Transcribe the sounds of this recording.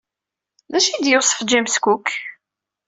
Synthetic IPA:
ðæʃid̪jəsˤəfd͡ʒæmskukː

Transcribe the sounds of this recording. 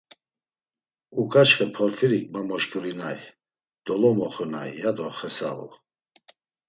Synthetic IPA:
ukʼat͡ʃχɛpʰɔɾfiɾikʼmamɔʃkʰʼuɾinaj | d̪̥ɔlɔmɔχɔna̰jjad̪ɔχɛsa̰vɔ̰

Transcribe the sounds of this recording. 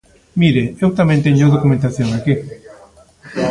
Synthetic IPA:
miɾeewt̪amẽnt̪eɲoðokument̪aθjoŋaki

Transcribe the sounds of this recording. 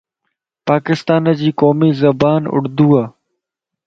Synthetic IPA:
paːkɪst̪aːnəd͡ʑiːkoːmiːzɐbaːnʊ̰ɽd̪uːaː

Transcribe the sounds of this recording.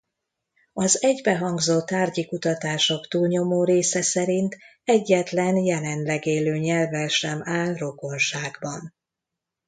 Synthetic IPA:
ɒzɛɟbɛɦɒŋɡzoːt̪ːaːrɟikut̪ɒt̪aːʃo̞kt̪uːlɲo̞moːɾeːsɛsɛɾint̪ | ɛɟːɛt̪lɛnjɛlɛnlɛɡeːløːɲɛlvɛlʃɛmaːlro̞ko̞nʃaːɡbɒn

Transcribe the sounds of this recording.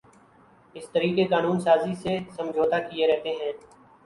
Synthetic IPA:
ɪst̪əɾiːkekaːnuːnsaːzisesə̃md͡ʒʱoːt̪aːkieɾɛɦt̪eːɦɛ̃ː

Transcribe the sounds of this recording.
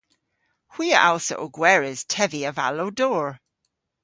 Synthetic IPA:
hwiːəʔalˠsə̰ʔoɡwɛɹɪz̥tʰɛviəva̰loʊdɔːɹ

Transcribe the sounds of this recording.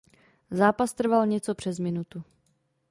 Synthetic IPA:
zaːpast̪r̩valɲɛt͡so̞pr̥ɛzmɪnut̪u

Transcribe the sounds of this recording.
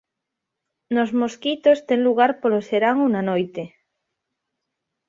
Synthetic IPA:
nozmoskit̪ost̪eŋluɣ̞aɾpoloseɾaŋunanojt̪e

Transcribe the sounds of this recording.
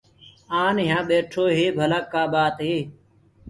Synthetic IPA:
aːnɦjãːɓeːʈʰoːɦeːbʱəlaːkːaːɓaːt̪ɦeː

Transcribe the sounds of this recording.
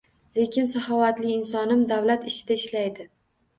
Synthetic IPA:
le̞kʲʰɪnsahɒvat̪lɪɪnsɒnɪmd̪avlat̪ɪʃɪd̪aɪʃlajd̪ɪ

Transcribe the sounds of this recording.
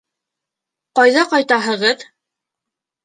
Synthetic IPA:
qɑjðɑqɑjt̪ɑɦɤ̆ʁɤð

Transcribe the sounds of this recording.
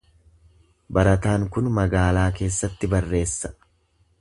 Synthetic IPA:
bɐɾɐt̪aːŋkʊnmɐɡaːlaːke̞ːsːɐt̪ːɪbɐrːe̞ːsːɐ̥

